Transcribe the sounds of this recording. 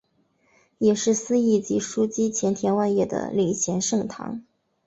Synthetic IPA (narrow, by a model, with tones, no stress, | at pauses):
jɛ˨˩ʂɻ̩˥˩sɹ̩˥i˥˩t͡ɕi˧˥ʂu˥t͡ɕi˥t͡ɕʰjɛ˧˥nt̪ʰjɛ˧˥nwa˥˧ɪjɛ˥˩d̪ə̰˩li˨˩ŋɕʰjɛ˧˥nʂɤ˥˩ŋt̪ʰɑ̰˧˥ŋ